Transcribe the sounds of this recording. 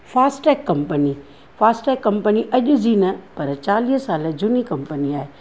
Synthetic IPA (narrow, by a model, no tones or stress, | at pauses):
fʰaːsʈɛːkːɐmpəni | fʰaːsʈɛːkːɐmpəniʔɐʄʊd͡ʑinɐpɐɾt͡ʃaːliːssaːləd͡ʒunikɐmpəniaːɦe